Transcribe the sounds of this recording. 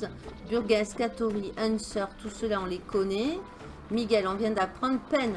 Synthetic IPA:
byʁɡɛ̃skat̪ɔʁiʔɛnsœʁt̪usəlaɔ̃lekɔnɛ | miɡʲɛlɔ̃vjɛ̃d̪apχɑ̃d̪ʁpɛn

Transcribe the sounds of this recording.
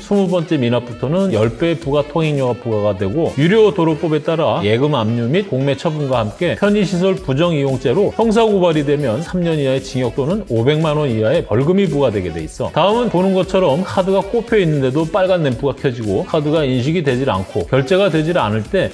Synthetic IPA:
sʰumubʌnt͡ɕ͈e̞minap͈utʰonɯnjʌɭp͈e̞puɡatʰoŋiŋɲuɡapuɡaɡadwe̞ɡojuɾjotoɾok̚p͈obe̞t͈aɾaje̞ɡɯmamɲumit̚koŋme̞t͡ɕʰʌbunɡwahamk͈e̞pʰjʌɲiɕʰis̬ʰʌɭpud͡ʑʌŋijoŋt͡ɕ͈e̞ɾoçjʌŋs̬ʰaɡubaɾidwe̞mjʌnsʰamɲʌɲiaet͡ɕiŋjʌk̚t͈onɯnobe̞ŋmanwʌnijae̞pʌɭɡɯmibuɡadwe̞ɡe̞dwe̞is͈ʌ̰taɯmɯnponɯnɡʌt͡ɕʰʌɾʌmkʰadɯɡak͈opʰjʌinːɯndedop͈aɭɡanːenpuɡakʰjʌd͡ʑiɡokʰadɯɡainɕ̬ʰiɡidwe̞d͡ʑina̰nkʰokjʌɭt͡ɕ͈e̞ɡadwe̞d͡ʑina̰nɯɭt͈e̞

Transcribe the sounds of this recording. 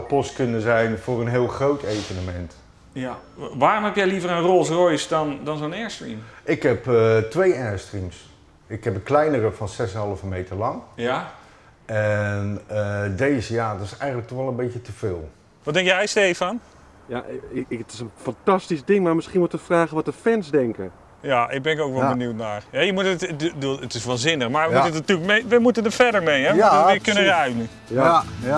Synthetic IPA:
tpɔstkɵnəzɛjnvʊːrənɦɪːlˠχrowtʰejvənəmɛnt | ʋaːɾʊmɦɛpjɛjlivəɾənrolˠsrɔjsdɑndɑnzonɛːɹstrimʔɪkɦɛpətʋejɛɹstrims | ɪkɦɛpəklɛjnərəvɑnsɛsənɦɑlˠəvəmejtəɹlɑŋj | ʔɛnədejzəjaːdɪsɛjχənlək̚tɔχɛlˠənbejcətəv̥ɪːlˠ | ʋɔt̚dɛŋkjɛjstejfan | ja̰ʔtɪ̥sənfantastisdɪŋmaːɹmɪsχiənʋutəfraːɣəʋɔtəfɛnsdɛŋkə̰ | jaɪɡ̚bɛnɪkowkʋɛlˠbənuwtnaːɹhɛjəmutətəduətɪsʋaːnzɪnəxmaɹjəmutətnatylkmeʋəmutəndəfɛdəɹmejɦɛakənəraɥmə | ja

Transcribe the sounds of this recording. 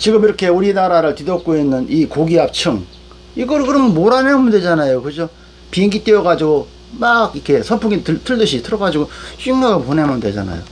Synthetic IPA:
t͡ɕiɡɯmiɾʌkʰe̞uɾinaɾaɾɯɭtidʌp̚k͈oinːɯnikoɡiap̚t͡ɕʰɯŋ | iɡʌɭkɯɾʌmnmoɾaneamjʌndwe̞d͡ʑanajokɯd͡ʑo | pieŋɡit͈eʌɣad͡ʑiɡo | maɡikʰe̞sʰʌpʰuɡitɯt͈ʰɯɭdɯɕʰitʰɯɾʌɡad͡ʑiɡoɕʰiŋɡaɡɯponemjʌndwe̞d͡ʑa̰na̰jo̰

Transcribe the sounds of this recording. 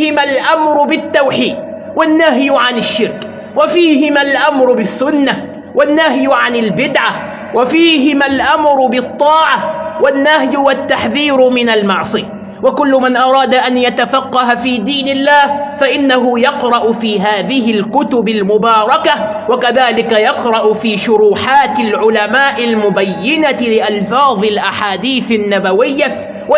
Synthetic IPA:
hɪmalʔamɾʊbɪt̪ːawħiːd̪̚ | wanːaɦjʕanɪʃːɪɾk | wafiːhɪmalʔamɾʊbɪθːʊnːa | wanːaɦjʕanɪlbɪd̪ʕa | wafiːɦɪmalʔamɾʊbɪt̪ˤːɑːʕawanːahjʊwat̪ːaħðiːɾmɪnalmɑʕsˤɨja | wakʊlːʊmanʔɑɾˤɑːd̪aʔanjat̪afɑqːɑhafiːd̪iːnɪlːaːhfaʔɪnːaɦʊjɑqɾˤɑʔʊfiːɦaːðɪhɪlkʊt̪ʊbalmʊbɑːɾˤɑka | wakaðaːlɪkajɑqɾˤɑʔʊfiːʃʊɾuːħaːt̪ɪlʕʊlamaːʔɪlmʊbajːɪnalɪʔɑlfɑːðˤɨlʔaħaːd̪iːθɪnːabawɪjːa | wa

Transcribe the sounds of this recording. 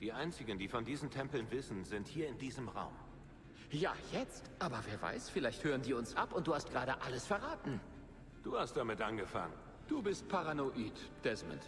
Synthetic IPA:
d̥iːʔaɪnt͡sɪɡən̩diːfɔndiːzn̩tʰɛmpl̩nvɪsn̩zɪnthiːɐɪndiːzəmʁa̰ʊm | ja̰ːjɛt͡stʔaːbɐveːɐva̰ɪsfɪlaɪçthøːʁəndiːʊnsʔapʊntd̥uːhastɡ̥ʁaːdəʔaləsfɛɐʁaːtn̩ | d̥uːhastd̥amɪtʔanɡəfa̰ŋən | d̥uːbɪst̚pʰaʁanoʔiːtd̥ɛzmə̰nt

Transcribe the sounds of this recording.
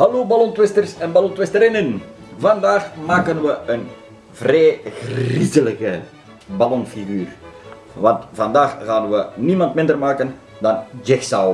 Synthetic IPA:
ɦɑloːbalɔntʋɪstərsɛnbalɔntwɪstəɾɪnən | vɑndaːxmaːkənʋəən | vreːɣrizələkə | balɔnfiɣyːr | ʋɑntvɑndaːxɣaːnʋənimɑntmɪndərmaːkən | dɑnd͡ʒɪxsaw

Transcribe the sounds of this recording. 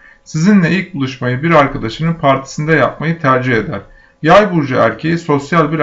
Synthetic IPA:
sizinlʲɛilʲc̚bulˠuʃmajɯbiɾaɾkʰad̪aʃɯnɯnpʰaɾt̪ʰi̥sɯnd̪ajap̚majɯt̪ʰæɾd͡ʒiɦe̞d̪æɾ̥ | jajbuɾd͡ʒaæɾcʰe̞jiso̞sjalʲˠbiɾ

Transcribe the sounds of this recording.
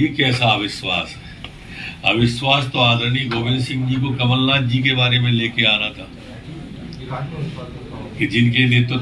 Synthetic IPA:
ikɛːsaːʋɪʃwa̰ːsɛ | ɐ̰ʋɪʃwaːst̪oaːd̪əniɡoːbɪ̃nd̪sɪ̃ŋɡd͡ʒik̬okɐməlːaːd̪̚d͡ʒik̬ebaːɾemẽleːkeaːnat̪ʰaː | kid͡ʒɪnkeliet̪o

